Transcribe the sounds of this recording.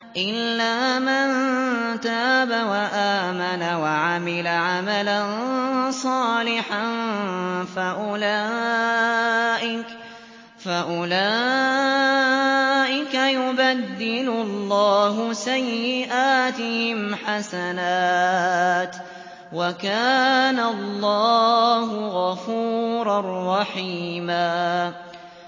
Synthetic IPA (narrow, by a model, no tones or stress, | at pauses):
ʔɪlːaːmant̪aːbawaʔaːmanawaʕamɪlaʕamalansˤɑːlɪħan | faʔʊlaː | ʔɪk | faʔʊlaː | ʔɪkajʊbad̪ːɪlʊlːɑːɦʊsajːɪʔaːt̪ɪhɪmħasanaː | t̪ | wakaːnalˤːɑːɦʊɣɑfuːɾˤɑrːɑħiːmaː